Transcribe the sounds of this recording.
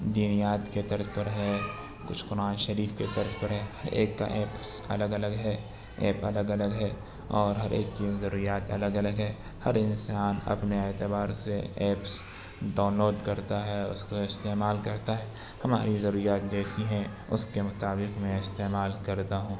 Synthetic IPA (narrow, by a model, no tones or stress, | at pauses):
d̪iːnijaːt̪ket̪ɐɾəzpɐɾɦɛ | kʊt͡ʃʰqʊɾaːnʃɐɾiːfket̪ɐɾzpɐɾɦɛhɐɾeːkːa̰ʔeːpsɐ̰ləɡɐləɡɦɛ | eːpɐ̰ləɡɐləɡɦɛ | ɔːɾɦɐɾʔḛːkt͡ʃizɐɾuːɾijaːt̪ɐ̰ləɡɐləɡɦɛː | hɐɾɪ̃nsaːnɐ̰pneeːt̪ɪbaːɾseɛːps | ɖaːʊnloːɖkɐɾt̪aɦɛʊ̰skoɪst̪eːmaːlkɐɾt̪aɦɛː | hɐma̰ːɾizɐɾuːɾijaːt̪̚d͡ʒɛːsiɦɛ̃ | ʊ̰skemʊt̪aːbɪqmɛ̃ɪst̪eːmaːlkɐɾt̪aɦũː